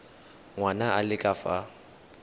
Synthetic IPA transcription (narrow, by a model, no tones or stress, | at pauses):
ŋwanaʔalɪkʼafa